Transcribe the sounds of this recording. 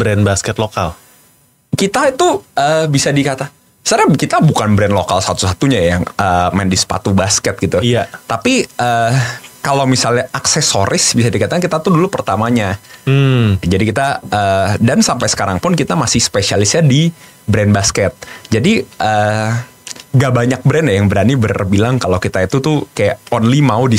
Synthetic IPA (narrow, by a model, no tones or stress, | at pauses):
bɾɛnbaskɛt̪lokal | kit̪ait̪uəbisadikat̪a | sarɲakit̪abukanbɾɛnlokalsat̪usat̪uɲajaŋəːmɛndispa̰t̪ubaskɛt̪̚ɡit̪ujat̪ːapiʔəkalawmisalɲaʔaksɛso̰ɾʔɪsbisadikat̪akankit̪at̪udulupərt̪amaɲa | d͡ʒadikit̪aəːdansampajsə̥kaɾaŋpʊnkit̪amasɪhspesialɪsɲadi | bɾɛnbaskɛt̪̚d͡ʒadiʔəː | ŋɡaʔbaɲak̚bəɾɛnjajaŋbəɾanibərbilaŋkalokit̪ait̪ut̪ʊkajaonlimaudi